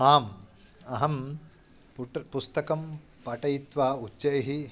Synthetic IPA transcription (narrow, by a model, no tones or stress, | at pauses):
aːm | ɐɦɐm | pʈpust̪ɐkɐm | pɐʈɐjit̪ʋaːutːɐjɐɦi